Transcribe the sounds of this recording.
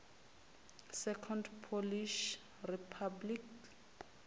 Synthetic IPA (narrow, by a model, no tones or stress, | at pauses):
sɛkʰɔndpʰoliʃ | ripʰablik